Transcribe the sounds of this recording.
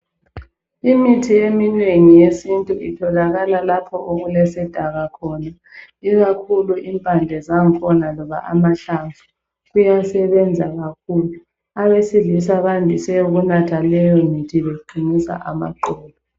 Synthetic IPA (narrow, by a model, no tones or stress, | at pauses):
imitʰijemineŋijesintʼuitʰɔlaɣalalapʰɔʔoɣulɛsɛd̥ʱaɣakʰɔna | iɣakʰuluʔimpʼand͡ɮʱɛzaŋ̩kʰɔnalɔβa̰ʔa̰maɬaɱvʱu | ɣujasɛβɛnd͡zʱaɣakʰuːlu | aβesiɮisaβandʱisɛjuɣunatʰalɛjɔmitʰiβeǃʱinisa̰ʔa̰ma̰ǃɔːlɔ